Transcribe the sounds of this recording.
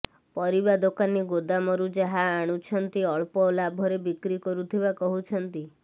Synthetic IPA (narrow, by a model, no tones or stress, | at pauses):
pɔɾibad̪okaniɡod̪amɔɾud͡ʒaɦaːɽ̃ut͡ʃʰɔnt̪iɔɭpɔlabʱɔɾebikɾikɔɾut̪ʰibakɔɦut͡ʃʰɔnt̪i